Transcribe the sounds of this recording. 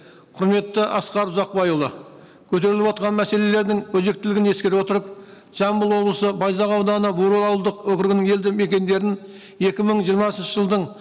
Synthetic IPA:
qʰʊɾme̞t̪ːɪʔɑsqɑɾʊzɑq̚bɑjulˠə̰ | kʲʰɵt̪e̞ɾɪlɪpwot̪̚qʰɑnmæse̞le̞le̞ɾd̪ɪŋwɵzek̚t̪ɪlɪɡʲɪne̞skʲeɾɪpwo̞t̪əɾəp̚ | ʒ̥ɑmbəlˠwo̞blˠəsəbɑjzɑʁɑwd̪ɑnəbuɾulˠɑwlˠd̪əqwɵkʲɪɾɡʲɪnɪŋe̞ld̪ɪme̞kʲe̞nd̪e̞ɾɪn | e̞kʲɪməɴʒijəɾmɑsənʃəʒəlˠd̪əɴ

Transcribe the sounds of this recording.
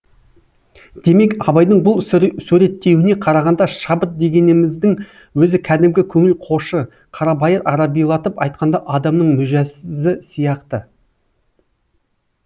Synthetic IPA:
d̪̥e̞me̞kɑbɑjd̪əɴbʊlˠsʉɾe̞t̪ːe̞wɪne̞qʰɑɾɑʁɑnd̪ɑʃɑbət̪̚d̪e̞ɡʲe̞nɪmɪzd̪ɪŋ | wɵzɪkʲʰæd̪ɪmɡʲɪkʲʰɵŋɪlqʰo̞ʃə | qʰɑɾɑbɑjəɾʔɑɾɑbijlˠɑt̪əpɑjt̪̚qɑnd̪ɑʔɑd̪ɑmnəɴmʏʒæsɪzɪsijɑqt̪ə

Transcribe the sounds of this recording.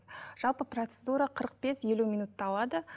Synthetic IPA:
ʒ̥ɑlˠpəprot̪sed̪uɾaqʰəɾəq̚b̥e̞sje̞lumʲijnut̪ːɑɑlˠɑd̪ə

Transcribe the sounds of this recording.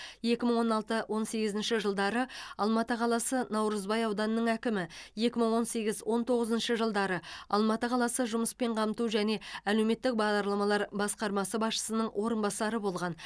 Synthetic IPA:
je̞kʲɪməɴwo̞nɑlˠt̪əwʔo̞nse̞ɡʲɪzɪnʃɪʒəlˠd̪ɑɾəɑlˠmɑt̪əqʰɑlˠɑsənɑwɾəzbɑjɑwd̪ɑnəːəɴækʲɪmɪje̞kʲɪməɴwo̞nse̞ɡʲɪzwʔo̞nt̪ʰo̞ʁəzənʃəʒəlˠd̪ɑɾəɑ̰lˠmɑt̪əqʰɑlˠɑsəʒʊməspe̞ɴqʰɑmt̪uʒæne̞æleme̞t̪ːɪk̚bɑʁd̪ɑɾlˠɑmɑlˠɑɾbɑsqɑɾmɑsəbɑsʃə̥sənəɴwʔo̞ɾənbɑsɑɾəbo̞lˠʁɑn

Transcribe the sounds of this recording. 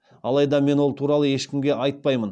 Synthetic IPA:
ɑlˠɑjd̪ɑme̞nwo̞lˠt̪ʰuɾɑlˠəje̞ʃkʲɪmɡʲe̞ʔɑjt̪̚pɑjmən

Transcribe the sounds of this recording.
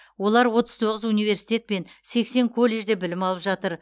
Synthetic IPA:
wo̞lˠɑɾwo̞t̪əz̥t̪ʰo̞ʁəzunijve̞ɾsijt̪ʲe̞t̪̚pe̞nse̞kse̞ŋkʰo̞lʲːe̞ʒd̪e̞bɪlɪmɑlˠəpʒɑt̪əɾ

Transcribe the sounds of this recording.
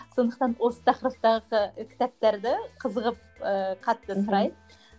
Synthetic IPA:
sond̪əq̚t̪ɑnwo̞sə̥t̪ʰɑqəɾəp̚t̪ɑʁəqəkʲʰɪ̥t̪æp̚t̪eɾd̪ɪqʰəzəʁəp̚ | əqʰɑt̪ːət̪ʰʊɾɑjd̪ə

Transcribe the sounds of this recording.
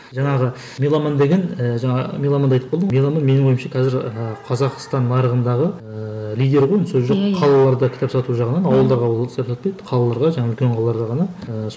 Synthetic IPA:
ʒɑɴɑʁə | melˠɑmɑnd̪e̞ɡʲenəʒɑɴɑmelˠɑmɑnd̪ɑjt̪əpbolˠd̪əmelˠamɑnme̞nɪɴojəmʃɑkʲʰæzɪɾəqʰɑzɑqst̪ɑnːɑɾəʁənd̪ɑʁə | lʲijd̪e̞ɾʁojənsɵzʒoqʰɑlˠɑlˠɑɾd̪ɑkʲʰt̪epsɑt̪uʒɑʁənɑnɑwəlˠd̪ɑɾʁɑwlˠkʰʲt̪epsɑt̪pejd̪əqʰɑlˠɑlˠɑɾʁɑʒɑɴɑʏlkʲe̞ɴqʰɑlˠɑlˠɑɾd̪ɑʁɑnɑəs

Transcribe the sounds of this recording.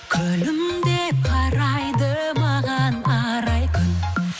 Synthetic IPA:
kʲʰɵlɪmd̪epʰɑɾɑjd̪ə | mɑʁɑnɑɾɑjkʰʏn

